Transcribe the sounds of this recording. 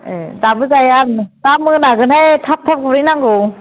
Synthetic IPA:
ezabɯzajantamɯnaɡɯnhajtʰap̚tʰap̚kʰɔɾɯjnaŋɡɯw

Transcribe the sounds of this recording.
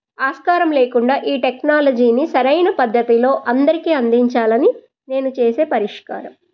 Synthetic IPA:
aːskaːɾɐmle̞ːkuɳɖaːʔiːʈeknaːlɐd͡ʒiːnisɐɾɐjnɐpɐd̪ʱːɐt̪ilo̞ːʔɐnd̪ɐɾikiːɐnd̪iɲt͡ʃaːlɐni | ne̞ːnut͡ʃe̞ːse̞ːpɐɾiʂka̰ːɾɐm

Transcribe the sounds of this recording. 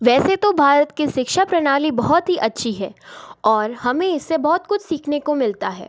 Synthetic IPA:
ʋɛːset̪obʱaːɾət̪kiʃɪkʃapɾɐnaːlibɐɦɔt̪ɦiʔɐtːʃʰiɦɛːɔːɾhɐmẽɪsːebɔɦɔt̪kʊt͡ʃʰsiːkʰnekomɪlt̪aɦɛ̰ː

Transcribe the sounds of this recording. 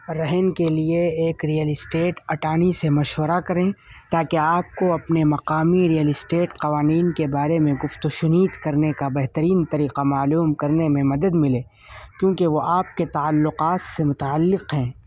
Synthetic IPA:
ɾɐɦənkelieeːkɾijəlɪsʈeːʈɐʈaːnisemɐʃwəɾakɐɾẽːt̪aːkeaːp̚koɐpnemɐqaːmiɾijəlɪsʈeːʈqɐʋaːniːnkebaːɾemẽɡʊft̪oʃʊniːd̪kɐɾnekabɛɦt̪əɾiːnt̪ɐɾiːqamaːluːmkɐɾnemẽmɐd̪əd̪mɪleː | kjõːkeʋoʔaːp̚ket̪aəlːʊqaːt̪semʊt̪aəlːɪqɦɛ̃ː

